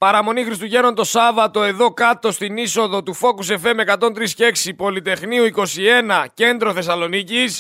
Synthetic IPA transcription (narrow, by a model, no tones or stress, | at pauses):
pɐɾɐmo̞nixɾist̪uʝe̞no̞nd̪o̞sɐvɐt̪o̞e̞ðo̞kɐt̪o̞st̪iniso̞ðo̞t̪ufo̞kus̬e̞fe̞me̞kɐt̪o̞nt̪ɾisce̞ksipo̞lit̪e̞xniuiko̞sie̞nɐce̞nd̪ɾo̞θe̞sɐlo̞nicis